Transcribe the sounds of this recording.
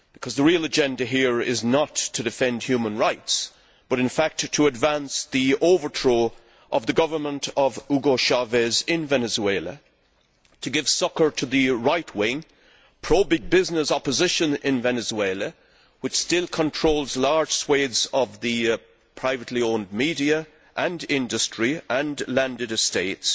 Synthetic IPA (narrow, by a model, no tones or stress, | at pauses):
b̥ɨkʰʌzðəɹilˠəd͡ʒɛ̃ndɨɦiɹɪznətʰɨdɨfɛ̃nd̥hjʉmə̃nɹaɪts | b̥ʌɾɨ̃nfæk̚tʰəːdvæ̃nsðioʊvə˞tʰɹ̥o | ʔʌvðɨɡʌvə˞mə̃ntʰʌvuɡoʃavɛzɪ̃nvɛnɨzueɪlˠə̰ | tʰɨɡɪv̥sʌkə˞ɾʰɨðɨɹaɪt̚ʰwɪ̃ŋ | pʰɹ̥oʊbɪɡ̚bɪznɨsɑpəzɪʃɨ̃nɪ̃nvɛnɨzweɪlˠə | wɨt͡ʃstɪlˠkʰə̃ntʰɹ̥oʊlˠzlɑɹd̥ʒ̥sweɪdz̥ʌvðɨ | pʰɹ̥aɪvɨtˡliõʊ̃nd̚miɾiɨ | ʔə̃nɪ̃ndɨstɹ̥iə̃nlæ̃ndɨɾɨsteɪts